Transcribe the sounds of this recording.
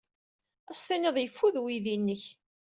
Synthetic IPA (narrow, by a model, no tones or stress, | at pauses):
æst̪ænəðˤjəfːuðwiðinːəç